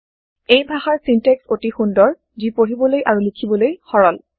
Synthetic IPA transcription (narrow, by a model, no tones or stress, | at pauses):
ejbʱaxaɹsinteksotixundɔɹ | zipoɹibɔlojʔaɹulikʰibɔlojxɔɹɔl